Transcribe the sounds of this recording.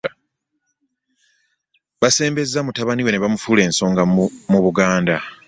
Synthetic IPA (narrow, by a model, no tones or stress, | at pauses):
βase̞ːmbe̞zːamutaβaniwe̞ne̞βamufuːle̞ːnso̞ːŋɡamuβuɡaːnda